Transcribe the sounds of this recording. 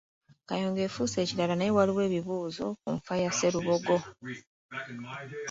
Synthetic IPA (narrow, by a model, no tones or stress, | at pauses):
kajoːŋɡe̞ːfuːse̞ːciɾalanajewaliwe̞ːβiβuːzo̞kṵɱfajase̞ɾuβo̞ɡo̞